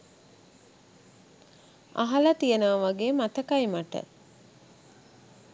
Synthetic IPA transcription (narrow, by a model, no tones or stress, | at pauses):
a̰ɦɐlət̪ijənəʋʋaɡeːmat̪əkajmaʈə̰